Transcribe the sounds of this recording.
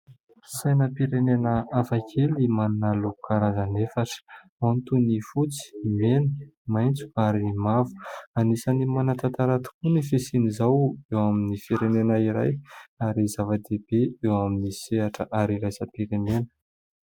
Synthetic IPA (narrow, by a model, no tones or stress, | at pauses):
sajnəpiɾenenəafakʰelimanunalukʰaɾazanefaʈ͡ʂə̥ | ant̪unifut͡si̥menəmajnt͡su̥aɾimavu̥anisanimanat̪at̪aɾat̪u̥kunifesinizawewaminifiɾenenaiɾa̰jaɾizavad̪eb̥eewaminiseɦaʈ͡ʂəʔaɾiɾajsəpiɾenenə̥